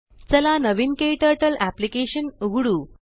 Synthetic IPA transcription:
t͡səlanəʋinkeʈəɾʈəlæplikeɕənɡuɽuː

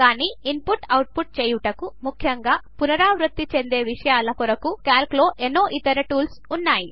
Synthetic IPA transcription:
kaːniːinpuʈɐwʈ̚puʈ̚t͡ʃeːjuʈɐkumukʰjɐŋɡaːpunɐɾaːʋɾut̪ːit͡ʃe̞nd̪e̞ːʋiʂɐjaːlɐkɔɾɐkukjaːlklo̞ːʔenːo̞ːʔit̪ːɐɾɐʈuːls | unːaːji

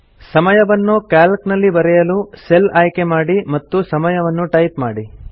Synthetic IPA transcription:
sɐmɐjɐʋɐnːukaːlknɐlːibɐɾɛjɐluse̞laːjkemaːɽimɐt̪ːusɐmɐjɐʋɐnːuʈɐjpmaːɽi

